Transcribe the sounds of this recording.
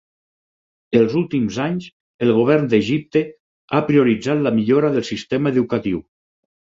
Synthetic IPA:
elˠzulˠt̪imzaɲz | elˠɣoβ̞ɛɾnd̪eʒip̚t̪e | apɾioɾid͡zat̪lamiʎoɾaðəlˠsist̪emaeðukat̪iw

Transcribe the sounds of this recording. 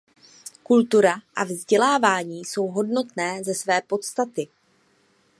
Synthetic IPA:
kult̪uɾaʔavzɟɛlaːvaːɲiːso̞wɦo̞dno̞t̪nɛːzɛsvɛːpo̞t̪st̪at̪ɪ

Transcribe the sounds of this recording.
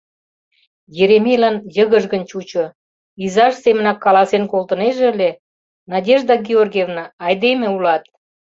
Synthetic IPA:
jeɾemʲelɑnjəɣəʒɣənt͡ɕut͡ɕo | izɑʃsemənɑkːɑlɑsenkolt̪ə̆neʒeəlʲe | nɑdʲeʒd̪ɑɡʲiorɡʲevnɑːjd̪emeulɑt̪̚

